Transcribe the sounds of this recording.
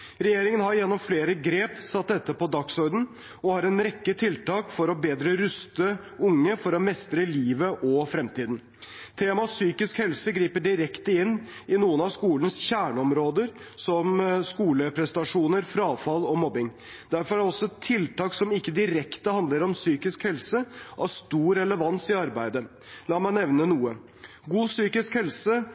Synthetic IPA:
ɾɛjeːɾɪŋənhɑɾjɛnːɔmfleːɾəɡɾeːpsɑt̪̚d̪ɛt̪ːəpɔd̪ɑksɔɾd̪n̩ | ɔhɑɾɛnɾɛkːət̪ʰɪlt̪ɑːkfɔɾɔbeːd̪ɾəɾʉst̪ə | ʊŋːəfɔɾɔmɛst̪ɾəliːʋəʔɔfɾɛmt̪iːd̪n̩ | t̪ʰeːmɑsyːkɪskhɛlsəɡɾiːpəɖɪɾɛkt̪əɪnː | ɪnuːənɑʋskuːlənəsçæːɳəɔmɾoːd̪əɾsɔmskuːləpʰɾɛst̪ɑʂuːnəɾfɾɑːfɑlɔmɔbɪŋ | d̪̥æɾfɔɾæɖɛɔsːɔt̪ʰːɪlt̪ɑːksɔmɪkːəd̪ɪɾɛkt̪əhɑnd̪ləɾɔmsyːkɪskhɛlsəʔæɾst̪uːɾɛləʋɑnsɪɑɾbæɪd̪ə | lɑːmæɪnɛʋnənuːə | ɡuːsyːkɪskhɛlsə

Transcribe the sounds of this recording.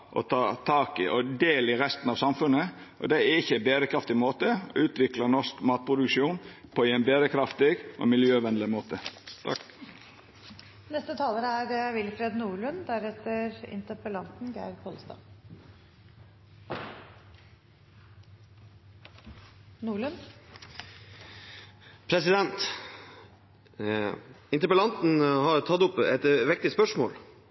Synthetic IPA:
ʔɔ̰t̪ʰɑːt̪ʰɑːkɪʔɔd̪eːləɪɾɛst̪n̩ɑːʋsɑmfʉnə | ʔɔ̰d̪ɛæɾɪçːəɛbeːɾəkʰɾɑft̪ɪmoːt̪əɔ̰ʉːt̪ʋɪklənɔʂkmɑːt̪̚pʰɾʊd̪ʉkʃuːnpʰɔɛnbeːɾəkʰɾɑft̪ɪɡʔɔ̰mɪljøːʋɛnd̪lɪmoːt̪ə | nɛst̪ət̪ʰɑːləɾæɾʋɪlfɾeːd̪nuːɭʉnd̪æɾɛt̪əɾɪ̰nt̪əpəlɑnt̪n̩ɡæ̰ɪɾkʰɔːlst̪ɑ̰ː | nuːɭʉn | pʰɾɛsɪd̪ɛnt̪ | ɪnt̪əɾpəlɑnt̪n̩hɑɾt̪ʰɑt̪ːʊpɛ̰t̪ʋɪk̚t̪ɪspœʂmo̰ːl

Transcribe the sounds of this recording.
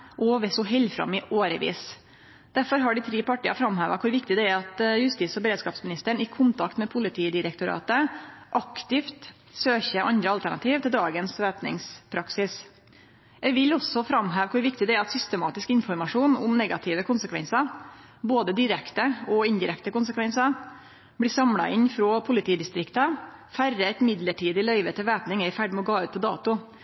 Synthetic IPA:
ʔɔʋɛsɔɦɛlfɾɑ̰mːɪʔoːɾəʋḭːs | d̪̥æɾfɔɾɦɑɖɪt̪ʰɾiːpɑʈːiːɑ̰fɾɑmhæːʋɑkʰʊɾʋɪkt̪ɪd̪ɛæɾɑt̪jʉst̪ɪːsɔbəɾeːd̪skɑːpsmɪnɪst̪əɳɪkʰʊnt̪ʰɑkt̪mɛpʰʊlɪt̪ʰiːd̪ɪɾɛkt̪ʊɾɑ̰ːt̪əʔɑkt̪ɪft̪ | søːçəʔɑnd̪ɾəɑlt̪æɳɑt̪ʰiːʋt̪ɪld̪ɑːɡənsʋeːpnɪ̰ŋspʰɾɑksɪs | ɛʋɪlɔsɔfɾɑmɦæːʋkʰʊɾʋɪk̚t̪ɪd̪ɛæɾɑt̪sʏst̪əmɑːt̪ɪskɪnfɔɾmɑʂuːnʊmnɛɡɑt̪ʰɪːʋəkʰʊnsəkʰʋɛ̰nsə | boːd̪əd̪ɪɾɛkt̪əɔɪnd̪ɪɾɛkt̪əkʊnsəkʋɛnsə | bliːsɑmlɑ̰ʔɪnfɾoːpʰʊlɪt̪ʰiːd̪ɪst̪ɾɪkt̪əfærːəɛt̪mɪd̪ləʈʰiːd̪ɪlœʏʋət̪ɪʋæːpnɪŋɛɪfæɖmɔɡɑːʉːt̪̚pʰɔd̪ɑ̰ːt̪ʊ

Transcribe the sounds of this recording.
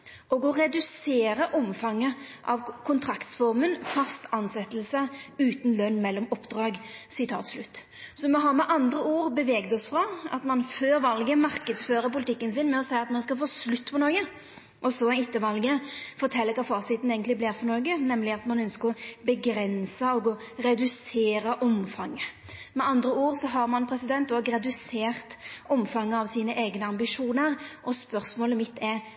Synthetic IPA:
ʔɔɡɔʁɛd̪ʉseːɾəʔɔmfɑŋːəʔɑʋkʰʊnt̪ʰɾɑkt̪sfɔʁmənfɑst̪ɑnsɛt̪ːəlsəʉːt̪nlœnːmɛlːɔmɔpd̪ɾɑːɡsɪt̪ʰɑ̰ːt̪slʉt̪ː | sɔmɛɦɑɾmɛʔɑnd̪ɾəuːɾbəʋɛːɡd̪ɔsfʁɑɑ̰t̪mɑnføːɾʋɑlɡəmɑɾkəd̪sføːɾəpʊlɪt̪ʰɪkːənsɪnmɛɔsæɪɑt̪mɑnskɑlfoːslʉt̪ːpʰɔnɔːɡə | ʔɔsɔɛɪt̪ːəʋɑlɡəfɔɾt̪ʰɛlːəkɑːfɑːsɪt̪n̩eːɡənt̪lɪblɪːɾfɔɾnɔːɡənɛmlɪɑt̪mɑnœnskəɾɔbəɡɾɛnsəɔɡɔ | ɾɛd̪ʉseːɾəʔɔmfɑŋːə | mɛɑnd̪ɾəuːʁsɔɦɑɾmɑnpʰɾɛsɪd̪ɛnt̪ɔːɡɾɛd̪ʉseːʁt̪ɔmfɑŋːəɑʋsiːnəʔeɪɡnəɑmbɪʂuːnəɾʔɔspœʁsmoːləmɪt̪ːɛ

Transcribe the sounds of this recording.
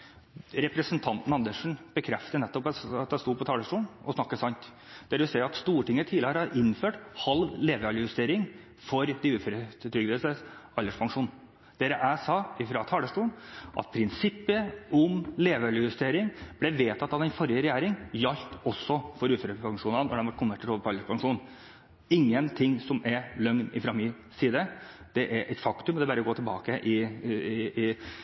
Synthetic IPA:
ɾɛpɾəsənt̪ʰɑnt̪n̩ɑnd̪əʂn̩b̥əkʰɾɛft̪ənɛt̪ːɔpɑt̪̚d̪æst̪uːpʰɔt̪ʰɑːləʂʈuːnɔsnɑkːəsɑnt̪ | d̪̥ɛæɾʋɪsɛɪɑt̪st̪uːʈɪŋːət̪ʰiːləəɾɑʔɪnføːʈhɑlʋleːʋɑljəjʉst̪eːɾɪŋ | fɔɾd̪ɪʉːføːɾət̪ʰɾʏɡd̪əsəɑlːəʂpʰɑŋʂuːn | d̪̥eːɾəʔæsɑːɪfɾɑt̪ʰɑːləʂʈuːnʔɑ̰t̪̚pʰɾɪnsɪpːəɔmleːʋəljʉst̪eːɾɪŋb̥lɛʋeːt̪ʰɑt̪ːɑʋd̪ɛnfɔɾjəɾɛjæːɾɪŋjɑlt̪ɔsːɔfɔɾʉːføːɾəpʰɑŋʂuːnɑnɔ̰d̪ɛnʋɑʈ̚ːkʰʊnʋɛʈ̪ʰːəʈʰɔləpʰɔɑlːəʂpʰɑŋʂuːn | ɪŋːənt̪ʰɪŋsɔmɛɾlœŋnɪfɾɑmːɪ | siːd̪ə | d̪̥ɛʔæɾʔɛɪt̪fɑkt̪ʉmd̪ɛbɑɾəɡoːt̪ʰɛlbɑ̰ːkəʔɪ

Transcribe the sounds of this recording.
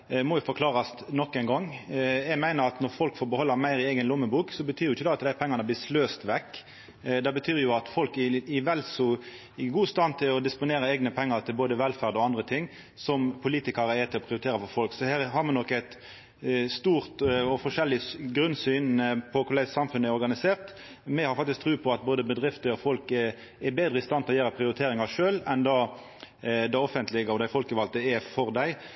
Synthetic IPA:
mɔjɪfɔɾkʰlɑːʁɑs | nɔkːæɪŋɡɔŋːjɛɡmæɪnəɾɑt̪nɔɾfɔlkfoːɾbəhɔlːəɾmæɪɾɪɛːɡənlʊmːəbuːksɔbət̪ʰyːɾjʊɪçːəd̪ɛɑt̪d̪æɪpʰɛŋːɑnəblɪːsløːst̪ʋɛkː | d̪ɛbət̪ʰyːʁjʊɑt̪fɔlkɪɪʋɛlsɔ | ɪɡuːst̪ɑnt̪ʰɪlɔd̪ɪspʊneːɾəɛːɡnəpʰɛŋːɑɾt̪ʰɪlboːd̪əʋɛlfæʁd̪ɔɑnd̪ɾət̪ʰɪŋː | sɔmpʰʊliːt̪ɪkɑɾəɛt̪ʰɪlɔpʰɾɪʊɾɪt̪ʰeːɾəfɔɾfɔlksɔhæːɾɦɑʁmɑnɔkːæɪt̪ | st̪uːʁt̪ɔfɔʂɛlːɪɡɾʉnsyːnpʰɔkʰʊlæɪsɑmfʉnəæɪɔɾɡɑnɪseːʁt̪ | mɛhɑɾfɑk̚t̪ɪskt̪ʰɾʉːpʰɔɑt̪̚boːd̪əbəd̪ʁɪft̪əɾɔfɔlk | ɛbeːd̪ɾəɪst̪ɑnt̪ɛlɔjæːɾəpʰɾɪʊɾɪt̪ʰeːɾɪŋɑʂøːlɛnd̪ɑ | d̪ɑɔfənt̪lɪɡɔd̪æɪfɔlkəʋɑlt̪əɛfɔʁd̪æɪ

